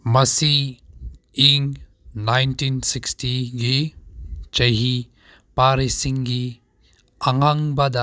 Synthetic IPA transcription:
mɐsiː | ŋ | najntinsikstiɡi | t͡ʃɐɦi | paɾisiŋɡi | ɐŋaŋbɐd̪a

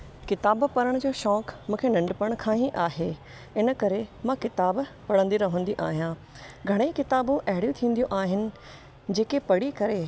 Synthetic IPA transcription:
kɪt̪aːbpɐɾəɽ̃d͡ʑoːʃɔːkmũːkʰenɐ̃ɳɖpəɽ̃kʰãːĩʔaːɦe | ɪnəkɐɾemãkɪt̪aːbpɐɽə̃nd̪iɾɐɦə̃nd̪iʔa̰ːɦijã | ɡʱɐɽ̃eiːkɪt̪aːbũʔɐɦɪɽjũt̪ʰĩːnd̪ijũʔaːɦɪnɪ̆ | d͡ʑeːkepɐɽikɐɾe

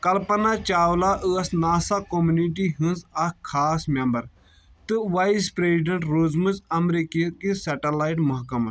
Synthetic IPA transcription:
kɐlpɐnat͡ʃaːwlaʔɨɐsnaːsakomuniʈiɦɨ̃nzɐkʰaːsmembɐɾ | t̪ɨʋaispɾesiɖɐɳʈɾoːzmɨzɐmɾikikiseʈɐlaːiʈmɐɦkɐmɐ

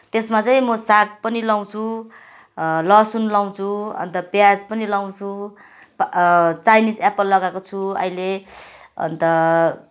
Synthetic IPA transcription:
t̪esmat͡saĩmʌsak̚pʌnilaw̃t͡sʰu | lʌsunlaw̃t͡sʰuʌ̰nt̪ʌpjad͡zpʌnilaw̃t͡sʰu | pt͡sajnisapʌlːʌɡakot͡sʰuʌ̰ile | ʌ̰nt̪ʌ

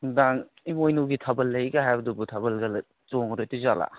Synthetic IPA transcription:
daŋ | imojnuɡitʰɐbɐlːɐjɡɐɦajbɐdubutʰɐbɐlɡɐl | toŋɾotizala̰

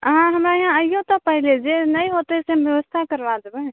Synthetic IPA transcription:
ɦãɦəmɾaeɦãəijõt̪ɔpəɦiled͡ʒenəjɦot̪ɛseɦəmbjəʋəst̪ʰakəɾbad͡ʒəbɛ

